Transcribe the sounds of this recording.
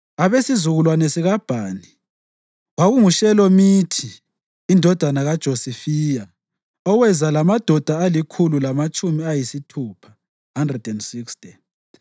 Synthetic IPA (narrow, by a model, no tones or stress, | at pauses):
aβesizuɣulwanɛsiɣab̥ʱaːni | waɣuŋuʃɛlɔmitʰiː | ndʱɔd̥ʱanaɣad̥ʒ̥ʱosifiːja | ɔwɛzalamad̥ʱɔd̥ʱaːlikʰululamat͡ʃʼumiajisitʰuːpʰḁ | handrɛdɛndsikstʼi